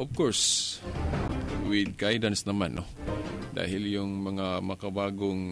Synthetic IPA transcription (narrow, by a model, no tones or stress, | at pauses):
ʔɔvkoɹs | wɪd̪̚ɡajdansnamanʔo | d̪a̰ɦɪljʊŋmaŋamakabaːɡʊŋ